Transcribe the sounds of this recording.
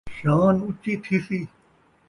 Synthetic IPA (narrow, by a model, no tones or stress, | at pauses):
ɕaːnut͡ɕit̪ʰisi